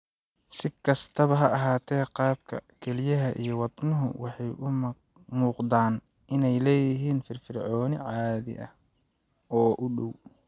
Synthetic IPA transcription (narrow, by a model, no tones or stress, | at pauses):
sɪkʰɐst̪ʰɐβɐɦɐɐɦaːt̪ʰɛːqɑːb̚kʰɐ̰kʰɛlɪjɐɦɐʔḭjɞwɑd̪nʊɦʊ̰wɑħɑjʔʊ | muːqd̪aːn | ɪnɛjlɛːjɪɦiːnfɪrfɪrʕɔːnɪʕɑːðɪ̰ʔɐ̰h | ɔːʔʊɖɔw